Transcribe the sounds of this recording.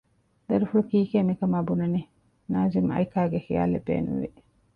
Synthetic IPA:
d̪ɐɾufuɭukiːkeːmikɐmaːbunɐni | naːzimɐ̰jkaːɡexija̰ːlḛbḛːnṵʋḭ

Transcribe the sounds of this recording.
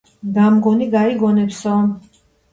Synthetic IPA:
d̪amɡɔniɡaiɡɔnɛpsɔ

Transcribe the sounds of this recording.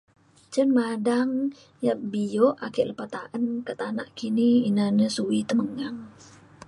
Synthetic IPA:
t͡ʃənmadaŋ | jabijoʔakəʔləpat̪aʔənkət̪ana̰ʔkiniːnanəsuit̪əməŋaŋ

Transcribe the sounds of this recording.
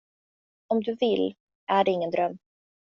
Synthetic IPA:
ɔmd̪ɵvɪlː | ʔæɖɛɪŋːənd̪ɾœmː

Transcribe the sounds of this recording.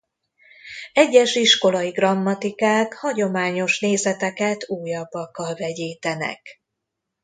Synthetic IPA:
ɛɟːɛʃiʃko̞lɒiɡrɒmːɒt̪ikaːkhɒɟo̞maːɲo̞ʃneːzɛt̪ɛkɛt̪uːjɒbːɒkːɒlvɛɟeːt̪ɛnɛ̰k

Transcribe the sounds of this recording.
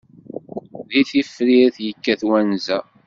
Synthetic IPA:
ðiθifːɾiɾθjəkːæθwænzæ

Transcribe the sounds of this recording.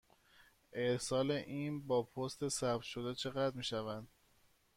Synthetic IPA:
ʔeɾsɒːle̞ʔiːnbɒːpʰost̪ʰe̞sæbt̪ʃo̞d̪et͡ʃʰe̞ɣæd̪miːʃævænd̪̥

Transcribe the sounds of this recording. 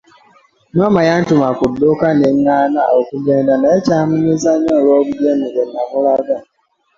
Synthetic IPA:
nɔmajan̩tʊmakʊddokaneanaokubedanaet͡ʃamʊnizaɲɔɾɔɡudienuɡeamʊɾaɡa

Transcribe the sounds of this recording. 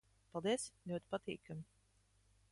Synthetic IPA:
pɑlˠd̪iɛslʲuɔt̪i̥pat̪ḭːkamʲi

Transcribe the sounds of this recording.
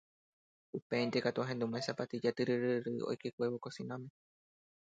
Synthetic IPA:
upeĩnt̪ekat̪uɦend̪umãẽsapat̪id͡ʒat̪ɨɾɨɾɨɾɨo̰jkekʷe̞βokosĩnõmẽ

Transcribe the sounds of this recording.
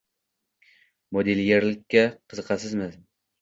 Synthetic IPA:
mod̪eljeɾlɪkʲːaqʰɨzɨqʰɑsɪzmɪz

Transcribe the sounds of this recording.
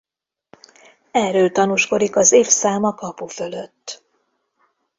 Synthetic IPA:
ɛrøːlt̪ɒnuːʃko̞d̪ikɒzeːfsaːmɒkɒpufø̞løt̪ː

